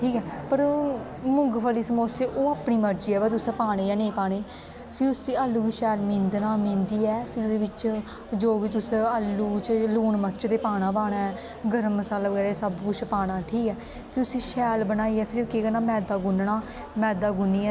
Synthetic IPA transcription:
ʈʰiːkɛːpəɾmʊ̃ŋɡpʰəːliːsəmoːseːʔoːaːpɳiːməɾd͡ʒiːɛːbat̪̬ʊsɛ̃ːpaːɽ̃eːjaːnẽːpaːɽ̃eː | pʰɪɾʊsiːaːlːuːkʃɛːlmĩːnd̪naːmĩːnd̪iːɛːpʰɪɾd̪eːʋɪt͡ʃ | d͡ʒoːʋiːt̪ʊsẽəːlːuːt͡ʃluːɳməɾt͡ʃt̪eːpaːɽ̃ãːpaːɽ̃aːɛ | ɡəɾəmːəsaːlbəɡɛːɾeːsəbkʊt͡ʃʰpaːɽ̃aːʈʰiːkɛː | pʰɪɾʊsĩːʃɛːlbənaːiːɛːpʰɪɾkeːkənaːmɛːd̪aːɡʊnɳaː | mɛːd̪aːɡʊnːiːɛː

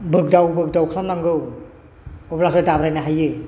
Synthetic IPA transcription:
bɯk̚dawbɯk̚dawkʰlamlaŋɡɯw | ɔplas̬ɔjtabɾajnaɦajɯ

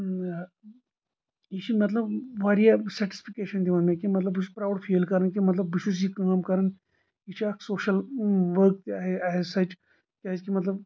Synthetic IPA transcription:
iʃimɐt̪lɐbʋaːɾijasɐɾʈi̥spʰikeːʃɐnd̪iʋɐnmẽkimɐt̪lɐbispɾaːwɽfʰeːlkɐɾɐnkimɐt̪lɐbːiʃus̬ikaːmkɐɾɐn | iʃʰiɐksoːʃɐlʋəɾk̚t̪aːɦeaɦesɐt͡ʃ | kʲaskimɐt̪lɐb

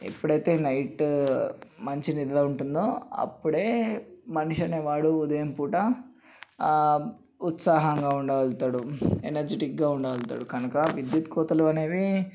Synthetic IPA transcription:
ḛpːuɽɐjt̪e̞ːnɐjʈ | mɐɲt͡ʃinid̪lɐuɳʈund̪oːɐ̰pːuɽe̞ːmɐnuʂɐneːʋaːɽuːd̪ɐjɐmpuːʈɐ | ut̪saːɦɐŋɡaːuɳɖɐʋɐlt̪aːɽuenɐɾd͡ʒeʈik̚ɡaːuɳɖɐʋɐlt̪a̰ːɽukɐnɐkɐʋid̪jut̪kɔːt̪ɐluɐne̞ːʋi

